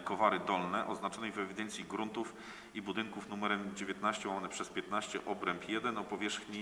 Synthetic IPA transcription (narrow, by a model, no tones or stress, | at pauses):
kɔvaɾɘd̪ɔlnɛʔɔznat͡ʂɔnɛjvɛvʲid̪ɛnt̪sʲjiɡɾunt̪uf | ibud̪ɘŋkufnumɛɾɛmd͡ʑevʲjɛt̪̚naɕt͡ɕɛwawanɛpʂɛspʲjɛt̪naɕt͡ɕɛ̰ʔɔbɾɛmpjɛd̪ɛnɔpɔvʲjɛʂxɲi